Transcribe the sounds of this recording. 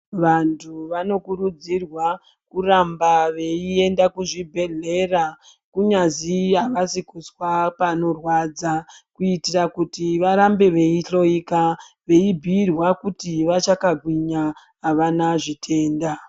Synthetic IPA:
ʋantʰuʋano̞kuɾud͡zirwa | kurambaʋe̞ie̞ndakuʐibʱe̞ɮe̞ra | kuɲaziɦaʋasikuswapano̞rwad͡zakuitirakutiʋaɾambe̞ʋe̞iɬo̞ika | ʋe̞ibʱiːrwakutiʋat͡ʃakaɡʱwiɲa | ɦaʋanaʐitʰe̞ːnda

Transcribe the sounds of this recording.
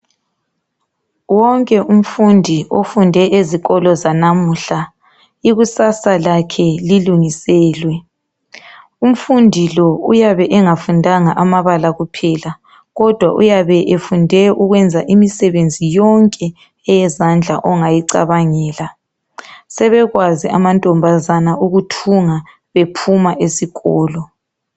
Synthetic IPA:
wɔŋkʼɛʔum̩fundʱiʔofundʱɛʔeziɣɔlɔzanamuɬa | iɣusasalakʰɛliluŋisɛːlwɛ | um̩fundʱilɔujaβɛʔɛŋafundʱaŋaʔamaβalaɣupʰɛla | ɣɔd̥ʱwaʔujaβɛʔefundʱɛʔuɣwɛnd͡zʱaʔimisɛβend͡zʱijɔŋkʼɛ | ɛjɛzand͡ɮʱa̰ʔɔŋajiǀa̰βaŋɛːla | sɛβɛɣwaziʔamantʼɔmbʱazanaʔuɣutʰuŋa | βepʰumaʔesiɣɔːlɔ

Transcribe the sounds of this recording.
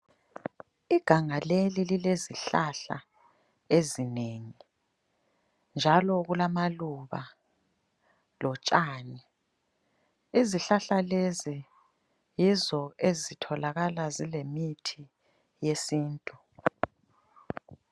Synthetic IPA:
iɡ̥ʱaŋalelilileziɬaɬa̰ | ezineŋi | nd͡ʒʱalɔɣulamaluβa | lɔt͡ʃʼaːni | iziɬaɬalezi | jizɔezitʰɔlaɣalazilemitʰi | jesiːntʼu

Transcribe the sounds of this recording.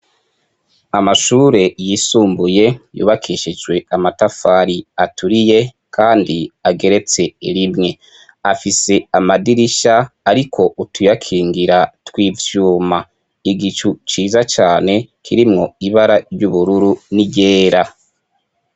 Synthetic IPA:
amaʃuːɾe̞jiːsuːmbuje̞jṵːβakʰiʃid͡ʒɡwe̞amatafaːɾiatʰuɾije̞ | kʰaːndiaɡe̞ɾe̞t͡se̞iɾimŋe̞ | afise̞amadiɾiʃaːɾikʰo̞utujakʰiːŋɡiɾatwiːvjuːma | iɡit͡ʃut͡ʃiːzat͡ʃaːne̞kʰiɾimŋo̞iβaɾaɾjuβuɾuɾuniɟe̞ːɾa

